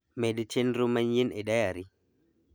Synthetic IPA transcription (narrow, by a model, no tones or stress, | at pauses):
mɛdt͡ʃʰɛndɾumaɲjinɛɗajaɾi